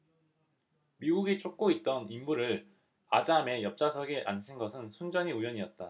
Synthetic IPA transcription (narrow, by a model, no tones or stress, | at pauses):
miɡuɡet͡ɕ͈ok̚k͈oit̚t͈ʌnimmuɾɯɭ | ad͡ʑame̞jʌp̚t͡ɕ͈asʰʌɡeʔa̰nɕʰinɡʌsʰɯnsʰund͡ʑʌɲiujʌɲiʌt̚t͈a̰